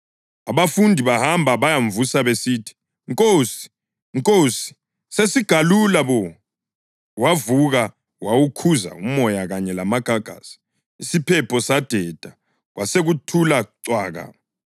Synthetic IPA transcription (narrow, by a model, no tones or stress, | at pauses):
aβafundʱiβahambʱaβajaɱvusaβesitʰi̥ | ŋkʼoːsi̥ | ŋkʼosi̥ | sesiɡ̥ʱalulaβɔ | wavuɣa | wawukʰuza̰umɔjaɣaɲɛlamaɡ̥ʱaɡ̥ʱa̰si̥ | isipʰɛpʰɔsad̥ʱɛd̥ʱa | ɣwʔaseɣutʰulaǀwaːɣa̰